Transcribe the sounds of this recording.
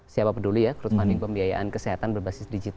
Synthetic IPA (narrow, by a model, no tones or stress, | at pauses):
siapapədulujakɾut̪̚fanɪŋpəmbiaja̰ʔankəseɦat̪anbərbasɪsdid͡ʒit̪